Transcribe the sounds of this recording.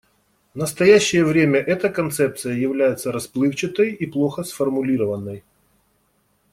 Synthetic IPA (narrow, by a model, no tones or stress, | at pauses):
vnəst̪ɐjæɕːɪjəvɾʲemʲəʔɛt̪əkɐnt̪sɛp̚t̪sɨjəjɪvlʲæjɪt̪səɾɐsplˠɨft͡ɕɪt̪əjiplˠoxəsfərmʊlʲiɾəvənːəj